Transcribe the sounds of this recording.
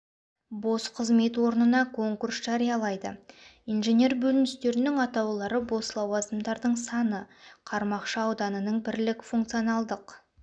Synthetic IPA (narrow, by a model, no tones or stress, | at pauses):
bo̞sqʰəzme̞t̪wo̞ɾnənɑkʰo̞ŋkursʒ̥ɑɾijɑlˠɑjd̪ə̰ijnʒe̞nʲe̞rbɵlɪnɪst̪e̞ɾɪnɪŋɑt̪ɑwlˠɑɾəbo̞slˠɑwɑzəmd̪ɑɾd̪əɴsɑnəqʰɑɾmɑqʃəɑwd̪ɑnənəɴbɪɾlɪkfuŋk̚t̪sijonɑlˠd̪əq